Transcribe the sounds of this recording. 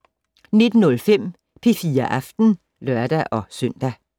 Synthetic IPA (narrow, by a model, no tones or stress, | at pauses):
ne̝d̥n̩ɔ̽lfem̰ | pʰe̝fiːɐʔɑfd̥n̩ | lœɐ̰d̥æʔɒ̽sœn̰d̥æ